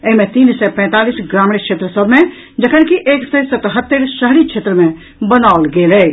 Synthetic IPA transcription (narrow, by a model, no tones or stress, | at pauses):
eɦimẽt̪iːnsɛpɛ̃ːt̪aːlisɡɾamɽekt͡ʃʰet̪ɾəsəbʱmẽ | d͡ʒəkʰənkiʔeːksesət̪ɦət̪ːəɾʃəɦɾikʃʰet̪ɾəmẽ | bənaolɡelɛ